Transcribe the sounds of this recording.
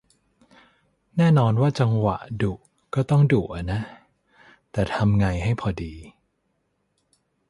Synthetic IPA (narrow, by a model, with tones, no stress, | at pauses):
nɛː˥˩nɔː˧nwaː˥˩t͡ɕa˧ŋwa̰˨˩ʔdu˨˩ | kɔː˥˩t̪ɔ˥˩ŋdu˨˩ʔa˨˩na˦˥ | t̪ɛː˨˩t̪ʰa˧mŋa˧jɦa˥˩jpʰɔː˧diː˧